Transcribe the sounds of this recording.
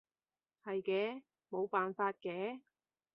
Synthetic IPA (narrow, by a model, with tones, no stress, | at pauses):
hɐ˨jkɛː˨˧˥ | mo˨˧wpaː˨nfaː˧t̚kɛː˨˥